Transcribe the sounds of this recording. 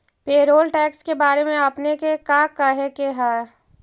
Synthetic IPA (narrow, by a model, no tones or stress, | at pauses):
peːɾoːlʈɛːkskebaːɾemẽɐpnekekaːkəɦekeɦɛː